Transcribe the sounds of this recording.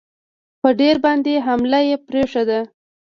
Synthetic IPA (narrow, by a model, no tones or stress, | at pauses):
pəɖeɾbɑnd̪eɦamlajepɾeʂad̪a